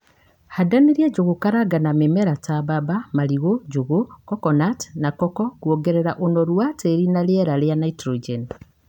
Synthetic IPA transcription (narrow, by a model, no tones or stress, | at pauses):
hadaniɾjeɟuɣukaɾaɡanamemeɾatababamaliɣoɟuɣukɔkɔnatnakɔkɔkwoɡeɾeɾaʔonoɾwateɾinaljeɾaljanaitɾod͡ʒen